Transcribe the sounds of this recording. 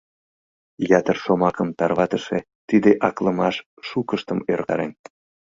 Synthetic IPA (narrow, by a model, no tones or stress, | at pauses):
jɑt̪ərʃomɑkəmt̪ɑrβɑt̪əʃe | t̪id̪eʔɑkləmɑʃː | ukəʃt̪əmørɣɑ̰ɾḛn